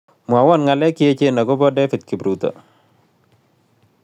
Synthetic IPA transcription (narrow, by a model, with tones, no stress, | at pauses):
mwa˨wɔ˦˨nŋa˨lɛ˦kɪ˦e˦t͡ʃe˦na˨ɡo˦bɔ˦dɛ˦fi˨t̪̚kɪ˨bɾut̪ɔ̰˨